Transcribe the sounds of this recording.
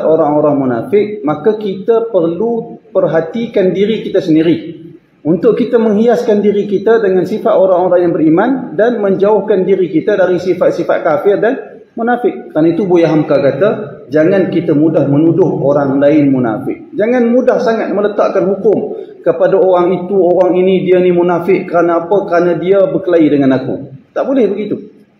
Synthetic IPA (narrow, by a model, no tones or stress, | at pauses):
t̪oɾaŋoɾaŋmuna̰fɪk̚makakit̪əpərlupərɦat̪ikandiɾikit̪asəndiɾi | unt̪ʊʔkit̪əməŋɦiaskandiɾikit̪adəŋansifat̪oɾaŋoɾaŋjaŋbəɾimandanməɲd͡ʒaʊhkandiɾikit̪adaɾisifat̪̚sifa̰t̪̚kafɪrdan | munafɪʔkːəɾanait̪ubojaɦamkakat̪a | d͡ʒaŋankit̪əmudahmənudʊho̰ɾaŋlaɪnmuna̰fɪ̰ʔ̚d͡ʒaŋanmudahsaŋat̪̚mələt̪aʔkanhukʊm | kəpadaoɾaŋit̪uoɾaŋinidianimunafɪʔkəɾanaapəkəɾanadiabəkəlaidəŋanakṵt̪aʔbolɛhbəɡit̪u